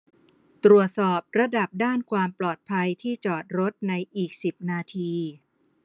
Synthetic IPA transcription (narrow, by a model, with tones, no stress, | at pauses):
t̪ɾu˨˩ət̪̚sɔː˨˩p̚ɾa˧da˨˩p̚daː˥˩nkʰwaː˧mplɔː˨˩t̪̚pʰa˧jt̪ʰiː˥˩t͡ɕɔː˨˩t̪̚ɾo˦˥t̪̚na˧jʔiː˨˩k̚si˨˩p̚naː˧t̪ʰiː˧